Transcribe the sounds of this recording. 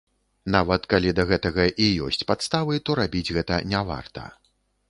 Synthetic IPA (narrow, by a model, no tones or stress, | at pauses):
n̪avɐt̪kalʲid̪ɐɣɛt̪ɐɣɐʔijɔ̰sʲt͡sʲpat̪st̪avɨt̪ɔɾabʲid͡zʲɣɛt̪ɐnʲava̰rt̪ɐ̰